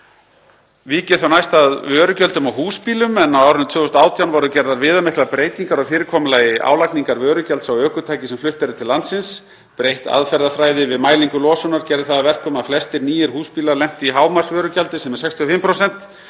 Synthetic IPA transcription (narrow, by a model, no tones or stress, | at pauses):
viːcɪ̥θawnajst̪aðvœːɾʏcœlt̪ʏmawɦuːspiːlʏmɛnawaːwɾʏnɪt̪ʰvʏːðɔst̪aːwt̪ʰjawnvɔɾʏcɛɾðaɾvɪːðamɪhklapɾeːjt̪iŋkaɾɔfɪːɾɪkʰɔːmʏlaːjɪʔa̰ːwlakniŋkaɾvœːɾʏcalt̪sawœːkʏt̪ʰaːjcɪsɛmflʏht̪ɛɾʏt̪ʰɪlːant̪sɪns | pɾejht̪a̰ðfɛɾðafɾaːjðɪvɪðmaːjliŋkʏlɔːsɔnaɾcɛɾðɪθaðavɛr̥kɔmaðflɛst̪ɪɾniːjɪɾ̥huːspiːlaɾlɛm̥t̪iɦaːwmḁsvœːɾʏcalt̪ɪsɛmɛ̥sɛkst̪ʰiɔfɪmpʰɾowsɛn̥t̪